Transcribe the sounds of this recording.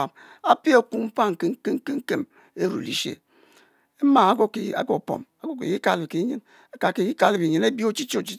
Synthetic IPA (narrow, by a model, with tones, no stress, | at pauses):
a˨m | a˦pi˦a˨ku˦mm̩˦fa˦ŋ̩˨ke˦ŋ̩˦ke˦ŋ̩˦ke˦ŋ̩˦ke˦m | e˦ɾṵ˨lḭ˨ʃḛ˦˨ | e˦ma˨a˦ɡo˦ki˨a̰˦ɡo˨po̰˨ma˦ɡo˦kḭ˨ji˦ka˦˨li˨ki˨˦ɲɨ˦n | a˦ka˨ke˨ji˦ka˦li˦˨bi˨ɲi˨ne˦bi˦o˦t͡ʃi˦t͡ʃo˦o˨t͡ʃi˦